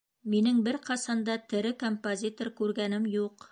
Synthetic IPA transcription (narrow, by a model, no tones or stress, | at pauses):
minɘŋbɘɾqɑsɑnd̪ɑt̪ɘ̆ɾɘkompozʲit̪orkʉɾɡænɘmjuq